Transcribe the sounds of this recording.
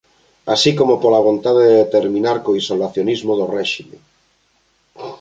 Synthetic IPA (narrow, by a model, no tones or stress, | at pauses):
asikomopolaβ̞ont̪aðeðeet̪eɾmĩnaɾkoisolaθjonizmoð̞orɛʃime